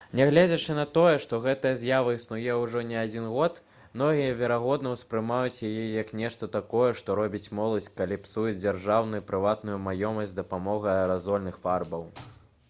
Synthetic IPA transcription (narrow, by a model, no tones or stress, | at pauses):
nʲɛɣlʲɛd͡zʲɛt͡ʂɨnɐt̪ɔjɛʂt̪ɔɣɛt̪ɐjɐzʲjavɐisnujɛwʐɔnʲɛad͡zʲinɣɔt̪ | mnɔɣʲijɐvʲɛɾaɣɔd̪nɐwspɾɨmajut͡sʲjajɛjɐknʲɛʂt̪ɐt̪akɔjɛʂt̪ɔɾɔbʲit͡sʲmɔlˠɐsʲkalʲipsujɛd͡zʲarʐawnujupɾɨvat̪nujumajɔmɐsʲtʲd̪ɐpamɔɣɐɐɾazɔlʲnɨxfarbɐw